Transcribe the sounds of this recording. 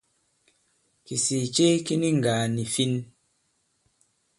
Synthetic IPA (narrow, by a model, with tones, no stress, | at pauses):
ki˨si˨t͡ʃe˦ki˦ni˦ŋ˨ɡa˨ni˨fi˦n